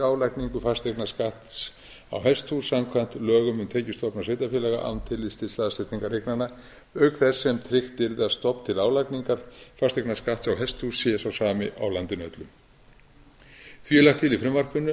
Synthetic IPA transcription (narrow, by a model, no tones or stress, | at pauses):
aːwlajkniŋkʏfast̪eknaskaht̪s | a̰wɦɛst̪husamkʰvan̥t̪lœːɣʏmʏnt̪ʰɛːcɪst̪ɔpnasveːjt̪afjɛlɛɣa̰ʔa̰wnt̪ʰɪlːist̪ɪslaːðast̪ɪt̪niŋkaɾehknanːa | œɥkθɛsːɛmt̪ʰɾɪxt̪ɪɾðast̪ɔpn̥t̪ʰɪlaːwlajkniŋkaɾ̥fast̪eknaskaht̪sawɦɛst̪husjɛsawsaːmɪʔa̰wlant̪ɪnœ̰t̪lʏm | θviɛlaxt̪ʰːilifɾɪmvar̥pʏnːʏ